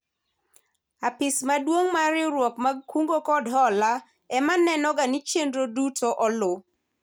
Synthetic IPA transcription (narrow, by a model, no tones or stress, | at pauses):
apɪsmadwoŋmaɾɪɾwɔkmakʰuŋɡokɔdɦɔla | ɛmanɛnɔɡanit͡ʃendɾodutʰoʔɔlʊ